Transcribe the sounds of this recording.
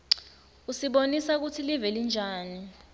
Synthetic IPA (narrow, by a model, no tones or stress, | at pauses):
usiɓonisak̬utʰilivɛlind͡ʒʱaːni